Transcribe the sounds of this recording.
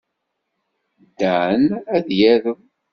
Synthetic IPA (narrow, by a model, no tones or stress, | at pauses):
d̪ːænæðjæɾəm